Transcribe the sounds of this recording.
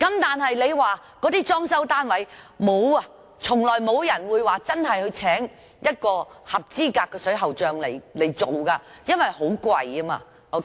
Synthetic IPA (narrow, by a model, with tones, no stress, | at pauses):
kɐ˨˥mt̪aː˨nɦɐ˨jle˨˧jwaː˨ | kɔː˨˥t̪iː˥t͡ʃɔː˥ŋsɐ˥wt̪aː˥nwɐ˨˥j | mo˨˧wɐ˧ | t͡sʰʊ˨˩ŋlɔː˨˩jmo˨˧wjɐ˨˩nwuː˨˧jwaː˨˩t͡sɐ˥nɦɐ˨jhɵ˨˧ɥt͡sʰɛː˨˥ŋ | jɐ˥t̚kɔː˧hɐ˨p̚t͡siː˥kaː˧kːɛː˧sɵ˨˥ɥɦɐ˨wt͡ʃœː˧ŋlḛ˨˩jle˨˩jt͡so˨wkaː˧jɐ˥nwɐ˨˩jho˨˥wkwɐ˧jɐ˥ma̰ː˧ | o˧